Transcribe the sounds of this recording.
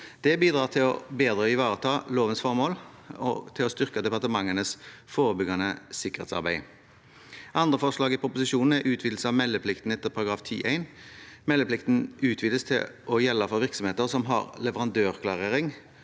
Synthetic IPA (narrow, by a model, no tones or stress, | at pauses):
d̪̥ɛbiːd̪ʁɑːʁt̪ʰɪlɔbeːd̪ʁəɪʋɑːʁət̪ʰɑːloːʋənsfɔʁmoːl | ɔ̰t̪ʰɪlɔst̪ʏʁkəd̪ɛpɑʁt̪əmɑŋːənəsfoːʁəbʏɡɑnəsɪkːəʁḛːt̪sɑ̰ʁbæɪ | ʔɑnd̪ʁəfɔʁʂlɑːɡɪpʰʁʊpʊsɪʃuːnn̩æɾʉːt̪ʰʋiːd̪l̩səɑʋmɛlːəpʰlɪkt̪n̩ɛt̪ːəʁpʰɑɾɑɡɾɑːft̪ʰḭːʔæɪnmɛlːəplɪkt̪n̩ʉːt̪ʰʋiːd̪əst̪ʰɪlʔɔjɛlːɑfɔɾʋɪʁksɔmheːt̪əʁsɔmɦɑ̰ʁlɛʋəʁɑnd̪øːʁkʰlɑʁeːʁɪŋ